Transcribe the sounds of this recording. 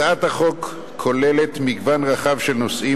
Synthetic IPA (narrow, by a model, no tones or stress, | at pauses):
at̪aχo̞kʰː | o̞lele̞t̪miɡvanʁaχavʃelnosʔi